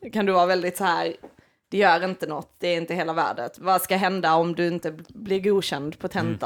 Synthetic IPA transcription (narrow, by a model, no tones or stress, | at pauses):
kʰand̪ɵvɑːɾavɛld̪ɪt̪sɔhæːɾ | d̪̥ɛjœːɾɪnt̪ənɔt̪ːd̪̥ɛːɾɪnt̪əɦeːlavæ̰ːɖə̰t̪vɑskaɦɛnd̪aɔmd̪ɵɪnt̪əblɪɾɡuːɕɛnd̪pʰɔt̪ʰɛnt̪a